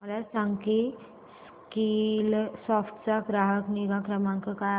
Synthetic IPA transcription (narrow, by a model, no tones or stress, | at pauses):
əlasãŋɡki | s | kilsɔfʈʰt͡sakɾaɦəkniɡãkɾəmãŋkəka